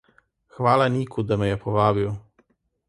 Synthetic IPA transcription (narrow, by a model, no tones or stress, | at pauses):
xʋaːlaniːkʰud̪amɛjɛpɔʋaːbiw